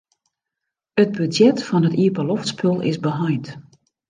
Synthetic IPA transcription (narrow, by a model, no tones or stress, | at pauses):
əd̚bydjɛtfɔnətiəpəloftspʰølˠɪ̰zbəɦajt